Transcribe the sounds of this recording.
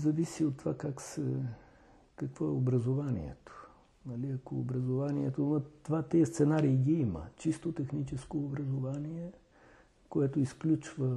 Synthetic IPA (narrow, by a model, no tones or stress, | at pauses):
zɐvisiot̪ːovakaksɛ | kɐkvɔɛobɾɐzovanḭɛ̰t̪o̥ | nɐliɐko̰ːbɾɐzovaniɛt̪onɐt̪ovat̪iɛst̪sɛnaɾiːɡʲiimə̰t͡ʃist̪ot̪ɛxnit͡ʃɛskoːbɾɐzovaniɛ | koɛt̪oisklʲut͡ʃvə